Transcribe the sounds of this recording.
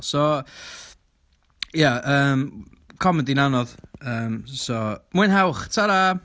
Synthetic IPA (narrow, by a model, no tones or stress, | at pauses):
sɔ | jaəːm | kʰɔmɛndinanɔðəːmsɔmwɨnɦawχtʰaɾa